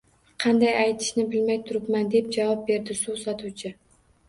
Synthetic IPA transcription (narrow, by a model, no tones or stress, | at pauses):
qʰɑnd̪ajajt̪ʰɪ̥ʃnɪbɪlmajt̪ʰʊɾɪpmand̪e̞p̚d͡ʒavɒp̚be̞ɾd̪ɪsusɒt̪ʰuwt͡ʃʰɪ